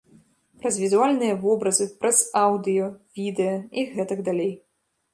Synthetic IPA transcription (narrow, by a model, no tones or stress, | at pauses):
pɾɐzvʲizualʲnɨjɐvɔbɾɐzɨpɾʔɐzawd̪ɨjɔvʲid̪ɛjɐiɣɛt̪ɐɡd̪alʲej